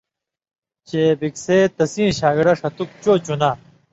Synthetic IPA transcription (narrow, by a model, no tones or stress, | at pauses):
t͡ɕeːbikseːt̪ɐsĩːɕaːɡiɽɐʂɐt̪uk̚t͡ɕoːt͡ɕunaː